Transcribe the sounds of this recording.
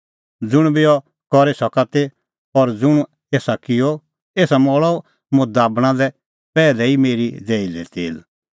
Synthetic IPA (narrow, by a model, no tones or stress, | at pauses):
d͡zʊɽ̃bɪɔ | kɔɾesɔkat̪e | ɔɾd͡zʊɽ̃ | eːsakɪjɔ | eːsamɔɭɔ | mʊ̃d̪aːbɽ̃ãd̪ɛ | pɛːlɛimeːɾid͡zɛːilḛt̪eːl